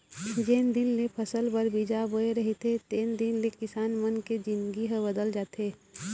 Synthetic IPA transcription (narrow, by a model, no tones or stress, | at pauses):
d͡ʒeːnd̪ɪnlepʰəsəlbəɾbid͡ʒaboeɾɐɦet̪ʰet̪eːnd̪ɪnlekɪsaːnmənked͡ʒɪ̃nd̪ɡiɦəbəd̪əld͡ʒaːt̪eː